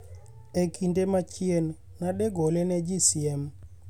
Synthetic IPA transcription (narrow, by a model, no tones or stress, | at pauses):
ekʰindemat͡ʃien | naɗeɡolened͡ʒisiɛm